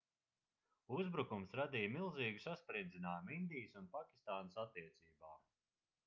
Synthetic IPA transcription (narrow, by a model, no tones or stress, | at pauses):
uzbɾukumsɾad̪ijmilˠziːɡusaspɾind̪zʲinaːjmind̪ijəsunpakʲi̥st̪aːnəsat̪ːiɛt̪siːbaː